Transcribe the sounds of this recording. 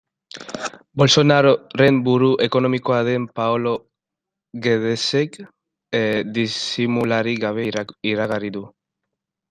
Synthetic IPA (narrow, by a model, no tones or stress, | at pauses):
bo̞lso̞naɾre̞mbuɾuʔe̞ko̞no̞miko̞aðe̞mpaolo̞ | ɣe̞ðe̞sek | d̪isimulaɾiɣaβe̞iɾaɣariðu